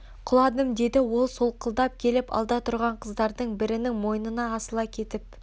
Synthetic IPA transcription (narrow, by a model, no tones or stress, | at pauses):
qʰʊlˠɑd̪əmd̪e̞d̪ɪwo̞lˠsolˠqʰəlˠd̪ɑp̚kʲʰe̞lɪpɑ̰lˠd̪ɑt̪ʰʊɾʁɑɴqʰəzd̪ɑɾd̪əɴbɪɾɪnɪŋmo̞jənənɑːsəlˠɑkʲʰe̞t̪ɪp̚